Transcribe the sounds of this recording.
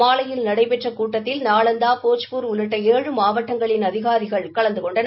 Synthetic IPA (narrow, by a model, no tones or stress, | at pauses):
aːlɐjɪlnɐɽɐɪpɛʈrɐkuːʈːɐt̪ːɪlnaːɭɐnd̪aːpoːt͡ʃpuɾʊlɐʈːɐeːɻɯmaːʋɐʈːɐŋɡɐɭɪnɐðɪɣaːðɪɣɐɭkɐɭɐnd̪ɯkɔɳɖɐn